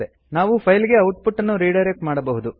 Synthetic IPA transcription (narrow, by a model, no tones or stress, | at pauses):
e | naːʋupʰɐjliɡe̞ɐwʈpʰuʈːɐnːuɾiːɖɐjɾek̚ʈmaːɽɐbɐɦud̪u